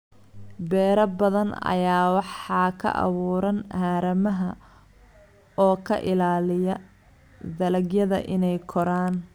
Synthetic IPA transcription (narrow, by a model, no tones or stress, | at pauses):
bɛːɾɐbɐðɐnɐ̰jaːwɑħɑːkʰɐ̰ʔɑ̰βuːɾɐnhaːɾɐmɐɦɐ | ɔːkʰɐ̰ʔɪlaːlɪjɐ | d̪ɐlɐɡjɐðɐ̰ʔɪnɛjkʰɔɾaːn